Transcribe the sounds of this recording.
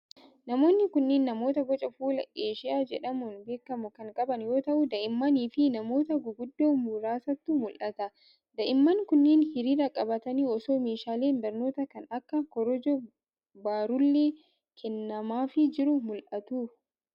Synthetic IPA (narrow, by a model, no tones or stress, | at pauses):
nɐmo̞ːnːɪkʊnːeːnːɐmo̞ːt̪ɐɡɔt͡ʃʼɐfuːlɐeːʃɪʔaːd͡ʒɛ̰ᶑɐmʊnbe̞ːkːɐmʊkɐŋkʼɐbɐnjo̞ːt̪ɐʔʊd̪ɐʔɪmːɐniːfɪnɐmo̞ːt̪ɐɡʊɡʊd̪ːoːmuɾaːsɐt̪ːumʊlʔɐt̪ɐ | d̪ɐʔɪmːɐnkʊnːeːnhɪɾiːɾɐkʼɐbɐt̪ɐniːɔsoːmeːʃaːle̞ːnbɐɾno̞ːt̪ɐkɐnɐkːɐkɔɾɔd͡ʒɔ | baːɾʊlːeː | kʰɛnːɐmaːfɪd͡ʒɪɾʊmʊlʔɐt̪uː